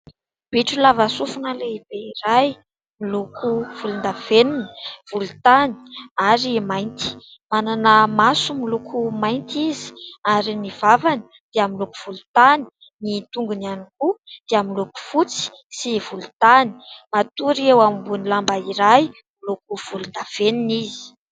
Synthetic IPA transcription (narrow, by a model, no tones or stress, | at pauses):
b̥iʈ͡ʂulavasufunaleib̥eiɾaj | milukuv̥ulund̪av̥enuni̥v̥ulut̪ani̥aɾimajnt̪i̥ | mananəmasumilukʰumajnt̪izi̥aɾinivavani̥ | d̪̥iamiluku̥v̥ulut̪ani̥ | nit̪uŋɡunianikud̪̥eamiluku̥fut͡si̥ | sivulu̥t̪ani̥mat̪uɾewamimbunilambaiɾaj | milukuv̥ulund̪av̥eninizi̥